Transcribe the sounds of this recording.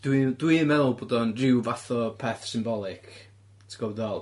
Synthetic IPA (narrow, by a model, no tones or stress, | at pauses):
d̥widwimɛlˠboːdɔnrɪwvaθɔpʰɛθsɪmbɔlˠɪkʰ | tʰəɡɔwdɛlˠ